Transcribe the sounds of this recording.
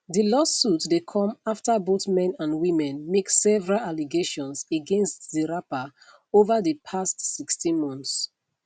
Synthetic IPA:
ðilɔssutdekʰɔ̃maftəboθmɛ̃nãnwimɛ̃nmeksɛvəɹalaliɡeʃɔ̃nseɡɛ̃nstziɹapa | ovəðəpʰastsikstĩnmɔ̃nθs

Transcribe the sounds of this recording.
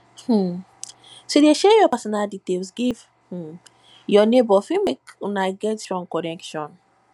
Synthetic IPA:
h̩ | sodeʃɛjɔpasɔnalditelsɡiv | h̩ | jɔnebɔfĩmekunaɪɡɛtɹɔ̃nkɔnɛkʃɔ̃n

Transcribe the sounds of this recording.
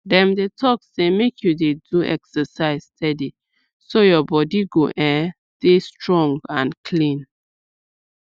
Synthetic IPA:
dɛ̃mdetʰɔksemekʰjudeduʔɛ̰ksəsaɪzstʰɛdi | sojɔbɔdiɡoʔɛstestɹɔ̃ŋɡãnkʰlĩn

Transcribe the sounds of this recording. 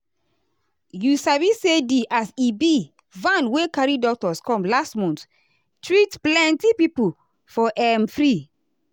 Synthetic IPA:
jusavisediʔasibi | vãnwekaɹidɔk̚tɔskɔ̃mlastmɔ̃nt | tɹitplɛ̃ntipipu | fɔʔɛmfɹi

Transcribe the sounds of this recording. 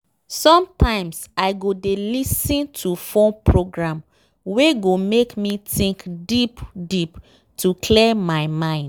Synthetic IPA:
sɔ̃mtʰãɪ̃msaɪɡodelisĩntʰufõnpʰɹoɡɹãm | weɡomekmitĩŋkdipdip | tʰukʰlɛmaɪmãɪ̃nd

